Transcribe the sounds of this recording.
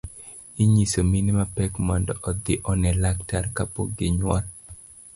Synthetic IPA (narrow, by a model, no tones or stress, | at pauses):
iɲisominimapɛkmandɔʔɔd̪ɪʔɔnɛlaktarkapoɡɪɲwal